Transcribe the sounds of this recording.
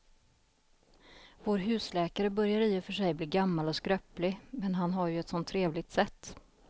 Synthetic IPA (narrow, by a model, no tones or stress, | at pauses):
voːɾɦʉ̟ːslɛːkaɾəbœɾjaɾiːʊfœʂɛjbliːɡamːalɔskɾœplɪmɛnɦanɦaɾjɵɛt̪sɔnt̪ʰːɾeːvlɪɡ̚t̪sɛt̪ː